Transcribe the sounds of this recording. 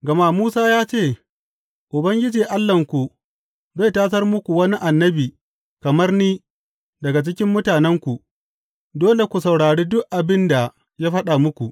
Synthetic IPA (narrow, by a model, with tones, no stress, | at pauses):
ɡɐ˨maː˦˨muː˦saː˦jaː˦t͡ʃeː˦˨ | ʔʊ˨bɐ˦ŋɡʲɪ˦d͡ʒiː˨ʔa˦lːɐ˨ŋkʷu˨ | za˦jtaː˦sɐ˦rmʊ˦kʷu˨wɐ˦ni˦ʔa˨nːɐ˦biː˨ | kɐ˨mɐ˦rniː˦ | dɐ˨ɡa˨t͡ʃɪ˦kʲɪ˦mːʊ˦taː˨nɛ˦ŋkʷu˨ | doː˦le˨kʷu˨sɐ˨wɽaː˨ɽeː˦dʊ˦ʔʔa˨bɪ˦nda˨ | jaː˦ɸɐ˦ɗa˨mʊ˦kʷu˨